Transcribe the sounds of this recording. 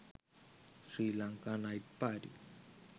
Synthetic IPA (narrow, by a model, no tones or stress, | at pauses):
sɾilaŋkanaipːaɾi